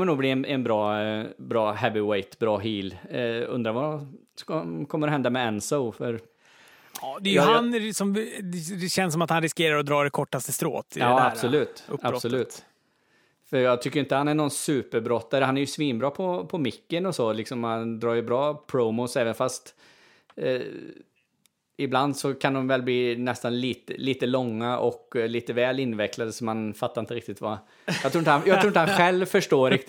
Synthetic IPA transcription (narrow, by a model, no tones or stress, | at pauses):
məɳnuːɡbliːɛnɛnbɾɑːbɾɑːɦɛbɪweɪt̪bɾɑːɦiːlɵ̰nd̪ɾaɾva | kɔkʰɔmːəɾɛɦɛnd̪amɛɛnsoʊfœɾ | d̪ɛjhansɔm | ɕɛnsːɔmat̪hanɾɪskeːɾaɾɔd̪ɾɑːɖɛkʰɔʈːast̪əst̪ɾo̰ːt̪ɑːasɔlʉ̟ːt̪ab̥sɔʉ̟ːt̪ | fœɾjɑːɡt̪ʰʏkːəɾjɪnt̪əhanæɳɔnsʉ̟ːpəɾbɾɔt̪ːad̪əhanæɾjɵsviːmbɾɑːpʰɔpʰɔmɪkːənɔsɔlɪksɔmhand̪ɾɑːɾjʏbɾɑːpʰɾomʊsɛːvənfast̪ | ɪbland̪sɔkʰand̪ɔmvɛlbliːnɛst̪anliːt̪ə̰liːt̪əlɔŋːaʔɔkːliːt̪əvɛːlɪnːvɛklad̪əsɔmanfat̪ːaɾɪnt̪əɾɪk̚t̪ɪt̪va | jɑɡt̪ɾuːɪnt̪ajɑɡt̪ɾuːɪnt̪hanɧɛlvfœʂʈoːɾɪk̪